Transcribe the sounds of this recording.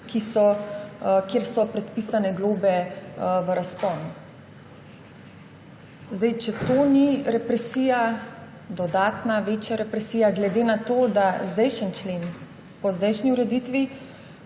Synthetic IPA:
kisɔ | kjeːɾsɔpɾɛt̪piːsanɛɡloːbɛʋəɾaspɔnu | zd̪ɛjt͡ʃɛt̪oːniɾɛpɾɛsiːja | d̪ɔd̪aːt̪naʋeːt͡ʃjaɾɛpɾɛsiːjaɡlɛd̪eːnat̪oːd̪azd̪ɛjʃənt͡ʃleːn | pɔzd̪ɛjʃniuɾɛd̪iːt̪ʋi

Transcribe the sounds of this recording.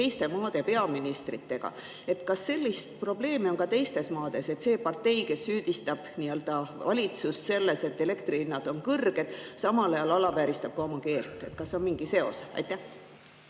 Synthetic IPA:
ejst̪e̞mɑːd̪̥e̞pe̞ɑminist̪rit̪ːe̞ɡ̥ɑ̰ | e̞t̪kɑsːe̞lʲːist̪̚pro̞ble̞ːmio̞nkɑt̪e̞jst̪e̞smɑːd̪̥e̞se̞t̪se̞ːpɑrt̪e̞jke̞sːyːd̪̥ist̪ɑb̥niø̞ld̪̥ɑvɑ̰lʲit̪susse̞lːe̞se̞t̪ːe̞le̞kt̪rilinːɑd̪̥o̞nkɤrɡ̥e̞d̪̥sɑmɑlɑjɑlɑlɑvæːɾist̪ɑb̥kɑo̞mɑke̞ːlt̪ːˑe̞̰t̪kɑsːeo̞nmiŋɡ̥ise̞o̞̰sɑ̰jt̪ːæh

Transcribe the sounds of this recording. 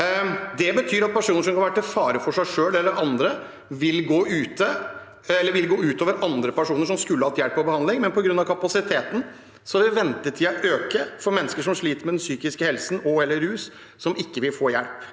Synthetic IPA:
d̪ɛbət̪ʰyːɾɑt̪̚pʰæʂuːnəɾʂɔmkʰɑnʋæʈːəfɑːɾəfɔʂæɪʂøːlɛlːəɾɑnd̪ɾə | ʋɪlɡoːʉːt̪ə | ɛlːəɾʋɪlɡoːʉːt̪oːʋəɾʔɑnd̪ɾəpæʂuːnəʂ̬ɔmskʉlːəhɑt̪jæɽpːɔbəhɑnd̪lɪŋmɛnpɔɡɾʉnːɑʋkʰɑpɑsɪt̪ʰeːt̪n̩ | sɔʋɪʋɛnt̪ət̪ʰɪlɑʔøːkəfɔɾmɛnːəskəʂɔmʂɭiːt̪əɾmɛd̪ɛnsyːkɪskəhɛlsn̩ɔɛlːəɾːʉːs | sɔmɪkːəʋɪlfoːjæɽp

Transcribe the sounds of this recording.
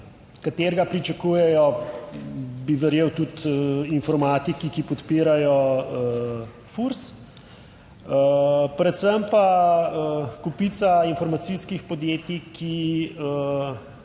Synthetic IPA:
kat̪eːɾɡapɾit͡ʃakujɛjɔ | biʋɛɾjeːwt̪ut̪infɔɾmaːt̪ikikipɔt̪piːɾajɔə | fuɾs | əpɾɛt̪səmpaəkupit̪sainfɔɾmat̪siskixpɔd̪jeːt̪ikʰiə

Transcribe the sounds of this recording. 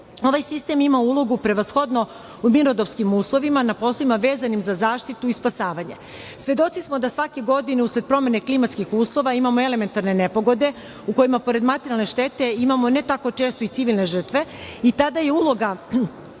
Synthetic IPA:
o̞ʋajsist̪emimaulˠo̞ɡupɾe̞ʋasxo̞d̪no̞ | umiɾod̪opskimuːslˠo̞ʋimanapo̞ːslˠoimaʋe̞ːzanimzazaːʃt̪it̪uispasaːʋaɲe̞ | sʋe̞d̪o̞t̪sismod̪asʋake̞ɡo̞d̪ine̞usɾed̪̚pɾo̞me̞ne̞klimat̪skixuːslˠo̞ʋaimamo̞e̞le̞me̞nt̪aɾne̞ne̞po̞ɡo̞d̪e̞ | uko̞jimapo̞ɾe̞d̪mat̪eɾialˠne̞ʃt̪e̞t̪e̞imamo̞ne̞t̪ako̞t͡ʃe̞ːst̪o̞it̪iʋilˠne̞ʒr̩t̪ʋe̞it̪ad̪aje̞ulo̞ɡa

